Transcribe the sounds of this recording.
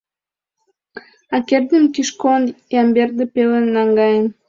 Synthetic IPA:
ɑkerd̪əmkiʃkonjɑmberd̪ə̆pelənːɑŋɡɑjən

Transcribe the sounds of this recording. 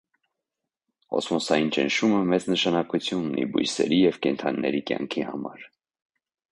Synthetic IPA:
ɔ̰smɔsɑjint͡ʃənʃuməmɛt͡snəʃɑnɑkut͡sʰjununḭbṵjsɛ̰ɾijɛvkɛnt̪ʰɑnːɛɾikjɑ̰ŋkʰihɑmɑɾ

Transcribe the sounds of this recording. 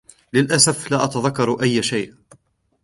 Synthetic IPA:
lɪlʔasaflaːʔɑt̪aðakːɑɾˤʔajːʃajːʔ

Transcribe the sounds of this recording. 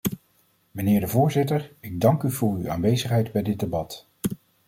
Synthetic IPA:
mənɪːɹdəvʊːɹzɪtəɹɪɡ̚dɑŋkyvʊːɹya̰ːnʋejzəχɦɛjdbɛjdɪd̚debɑt

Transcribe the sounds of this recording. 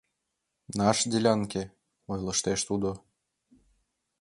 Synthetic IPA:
nɑʃd̪ʲilʲɑŋke | ojlɤ̆ʃt̪eʃt̪ud̪o

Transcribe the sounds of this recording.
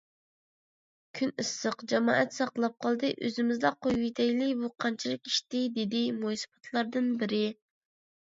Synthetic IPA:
kʲʰynɨsːəqd͡ʒɛmɑːʔɛt̪sɑqlˠɑp̚qʰɑlˠd̪ɨʔøzɪmɪzd̪ɑqojujt̪ʰɛjlɪbuqʰɑnt͡ʃʰilˠɨkʲi̥ʃt̪ɪd̪ed̪ɪmojsɨ̥pɑ̥t̪ʰlˠɑɾd̪ɨnbɪɾɪ

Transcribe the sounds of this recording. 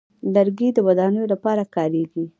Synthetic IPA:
laɾɡid̪əwad̪ɑnəjolapɑɾakɑɾeɡi

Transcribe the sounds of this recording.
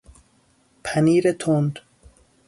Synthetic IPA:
pʰæniːɾet̪ʰond̪

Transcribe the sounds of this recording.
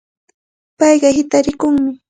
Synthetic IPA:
pɑjɢɑhɪt̪aɾɪkʊŋmɪ

